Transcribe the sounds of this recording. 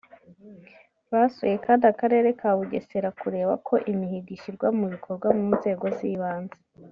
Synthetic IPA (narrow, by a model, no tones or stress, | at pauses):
βaso̰je̞kaːndakaɾe̞ːɾe̞kʰaβuɟe̞̰se̞ɾakuɾe̞ːβa̰kʰo̞ʔimihiɡiʃiɾɡwamuβikʰo̞ɾɡwamuːnze̞ːɡoziβaːnze